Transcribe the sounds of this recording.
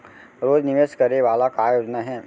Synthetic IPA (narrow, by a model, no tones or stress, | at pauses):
ɾoːd͡ʒnɪʋeʃkɐɾneʋaːlakaːjoːd͡ʒnaɦɛː